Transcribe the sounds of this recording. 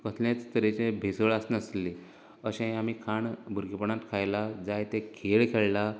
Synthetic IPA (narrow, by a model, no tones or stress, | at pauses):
kəslat͡st̪əɾet͡ɕẽbʱesəɭasnəsli | əɕẽamikʰaɳbʱuɾkipəɳat̪kʰajlad͡zajt̪ẽkʰeɭkʰeɭla